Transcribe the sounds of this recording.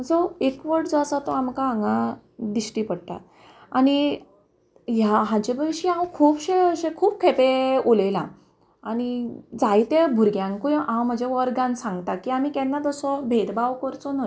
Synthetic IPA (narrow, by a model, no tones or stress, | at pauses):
d͡zɔekʋəɾʈd͡zɔasat̪ɔamkaaŋɡa | d̪iɕʈipəɽʈ̪a̰ | añi | jaɦãd͡ʑebʱəʋɕiãwkʰuːpɕẽəɕẽkʰuːpkʰepeolelã̰ | añid͡zajt̪ebʱuɾɡjãŋkũʔãwm̤əd͡ʑeʋəɾɡãnsãŋɡt̪akiːam̤iːkɛnːad͡z̪ɔsɔbʱeɾbawkɔɾt͡sɔno